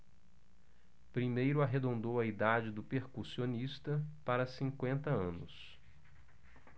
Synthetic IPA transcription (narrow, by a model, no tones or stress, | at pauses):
pɾimejɾʊaɦed̪õnd̪owɐid̪ad͡ʒɪd̪ʊpeɾkusionist̪ɐpaɾɐsĩkwẽnt̪ɐɐ̃nʊ̰s